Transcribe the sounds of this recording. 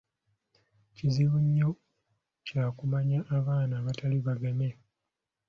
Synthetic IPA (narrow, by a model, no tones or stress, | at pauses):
ciziβuɲːo | caːkumaɲaʔːβaːnaːβataliβaɡame